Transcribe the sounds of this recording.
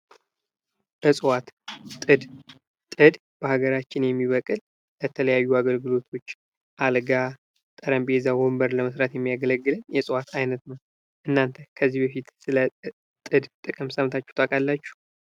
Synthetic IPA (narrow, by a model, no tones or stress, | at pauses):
b̥əsʼwat̪ʼɨd̪ | t̪ʼɨd̪ | b̥əhaɡəɾat͡ʃːɪnjɛmːiβəkʼɨl | bət̪ʰələjajːuaɡəlɡɨlo̞t̪ʰo̞t͡ʃː | ʔalɡa | t̪ʼəɾəmbezawombəɾləməsɾat̪jɛmːijaɡələɡːɨlɨnjɛsʼwat̪ʰajnət̪nəw | ʔɨnːant̪ʰəkʰəzːihbəfit̪sɨlə | t̪ʼɨd̪t̪ʼɨkʼɨmsəmt̪ʰat͡ʃːɛ̥t̪ʰʼakʼalːat͡ʃːu̥